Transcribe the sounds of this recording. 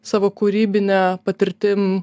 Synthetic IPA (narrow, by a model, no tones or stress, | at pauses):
sɑːʋoːkuɾʲiːbʲɪnʲɛpɐt̪ʲɪɾʲt̪ʲɪm